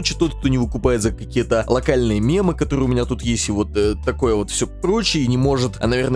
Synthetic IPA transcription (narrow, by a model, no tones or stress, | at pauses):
t͡ɕːɪt̪o̞t̪̚k̚t̪o̞nʲɪvɨkʊpajɪt̪zəkɐkʲijət̪əlˠɐkalʲnɨjəmʲe̞mɨkɐt̪o̞ɾɨjʊmʲɪnʲat̪ut̪jesʲtʲɪvo̞t̪əːɐko̞jəvo̞t̪fsʲopɾo̞t͡ɕːɪinʲɪmo̞ʐɨt̪ɐ̰nɐvʲe̞rnə